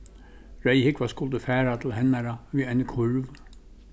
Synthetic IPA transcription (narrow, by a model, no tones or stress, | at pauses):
ɾæɪhɪkʋɑskʊld̪əfæːɾɑt̪ʰl̩hɛnæɾɑʋiːɛnəkʰʊɹʋ